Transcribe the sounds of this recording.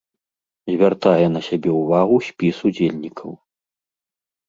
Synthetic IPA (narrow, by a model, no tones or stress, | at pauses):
zʲvʲart̪ajɛn̪ɐsʲabʲɛuvaɣusʲpʲisud͡zʲelʲnʲikʰɐw